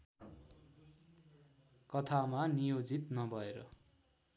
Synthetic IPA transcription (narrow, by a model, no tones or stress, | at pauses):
kʌt̪ʰamanijod͡zit̪nʌbʱʌeɾʌ